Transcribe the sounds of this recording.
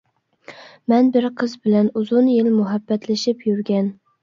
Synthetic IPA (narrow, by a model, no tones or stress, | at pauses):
mɛnbɪɾqʰɨzbɪlænuzʊnjɪlmʊɦæbːɛt̪ʰlɪʃɪpjyɾɡʲɛn